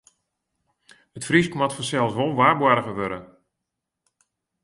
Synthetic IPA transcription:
ətfriskmatfɔsɛlˠsʋolˠʋaːrbwaɾəɣəʋøɾə̰

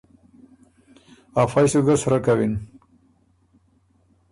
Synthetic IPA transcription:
afajsuɡasɾakawin

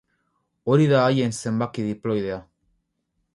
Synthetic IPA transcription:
o̞ɾiðaːje̞nse̞mbakiðiplo̞jðea

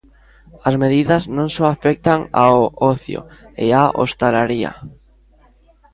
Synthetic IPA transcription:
azmeðiðaznõŋsoafek̚t̪aŋa̰oʔɔθjo̰ḛaʔo̰st̪alaɾia̰

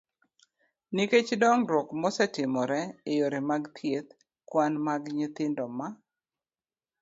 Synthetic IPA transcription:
niket͡ʃdɔŋɾwɔkmɔsɛtɪmɔɾɛɪjoɾemaɡt̪ʰjet̪ | kwanmaɡɲɪt̪ɪndɔma

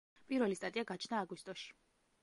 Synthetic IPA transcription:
pʼiɾvɛlist̪ʼat̪ʼiaɡat͡ʃʰnaːɡwist̪ʼɔʃi̥

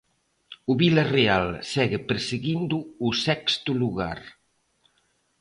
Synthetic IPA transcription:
uβilarealsɛɣepeɾseɣind̪uːsɛkst̪uluɣa̰ɾ

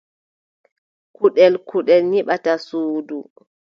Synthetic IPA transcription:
kuɗɛlkuɗɛlɲiɓatasuːdu

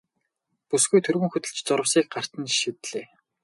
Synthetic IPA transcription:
pusɡujt̪ʰɵrɣɵ̆ŋxɵt̪ɘ̆ɮt͡ɕt͡sʊɾə̆wsiːk̚ɢar̥t̪ə̆nʃit̪ɮ̥eː

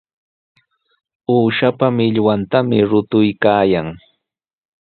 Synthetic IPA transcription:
uːʃapamɪʎwant̪amɪɾʊt̪ʊjkaːjaŋ

